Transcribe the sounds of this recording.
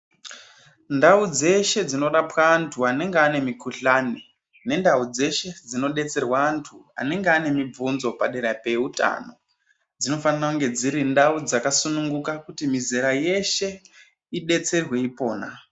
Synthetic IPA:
ndaud͡ze̞ʃe̞d͡zino̞ɗapwaːntʰuane̞ŋɡeane̞mikuɬani | ne̞ndaud͡ze̞ʃe̞d͡zino̞ɗe̞t͡se̞rwaːntʰua̰ne̞ŋɡeane̞mib͡vunzo̞paɗeɾape̞uta̰no̞ | d͡zino̞fanirakuŋɡe̞d͡ziɾindaud͡zakasunuŋɡukakutimiziɾaje̞ʃe̞ | iɗe̞t͡se̞rwe̞ipo̞ːna

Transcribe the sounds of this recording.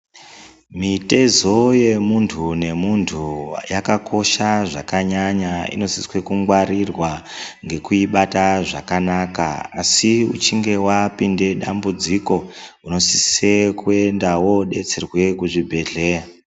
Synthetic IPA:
mite̞zo̞je̞muntʰune̞muntʰujakako̞ʃaʐakaɲaɲaḭno̞siswe̞kuŋɡwaɾirwaŋɡe̞kuiɓataʐakanaka̰asiṵt͡ʃiŋɡe̞wapinde̞ɗambud͡ziko̞uno̞si̥sekue̞ndawo̞ɗe̞t͡se̞rwe̞kuʐibʱe̞ɮe̞a

